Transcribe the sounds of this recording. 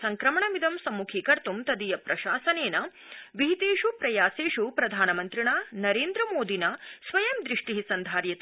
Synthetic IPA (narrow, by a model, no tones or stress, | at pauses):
sɐŋkɾɐmɐɳɐmid̪ʱɐmsɐmːukʰikɐɾt̪umt̪ɐd̪ijɐpɾɐʃaːsɐneːnɐ | ʋiɦit̪eːʂupɾɐjaːseːʂupɾɐd̪ʱaːnɐmɐnt̪ɾiɳaːnɐɾeːnd̪ɾɐmoːd̪ʱinɐsʋɐjɐmd̪ɾiʂʈiɦisɐnd̪ʱaːɾjɐt̪